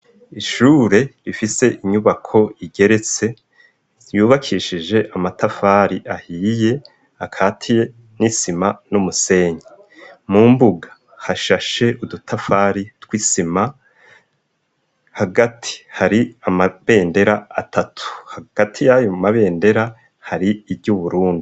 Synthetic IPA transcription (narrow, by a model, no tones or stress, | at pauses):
iʃuːɾe̞ɾifise̞ʔiɲuβakʰo̞iɡe̞ɾe̞t͡se̞ | juːβakʰiːʃid͡ʒe̞ʔamatafaɾiʔahiːje̞ | akʰaːtʰije | nisimanumuse̞ːɲi | muːmbuɡḁ | haʃaʃe̞ʔudutʰafaːɾitkwisima | haɡatʰi̥haɾiamaβe̞ːnde̞ɾaatʰatʰu̥haɡ̥atʰijajomaβe̞ːnde̞ɾa | haɾiːbɟuβuɾuːndi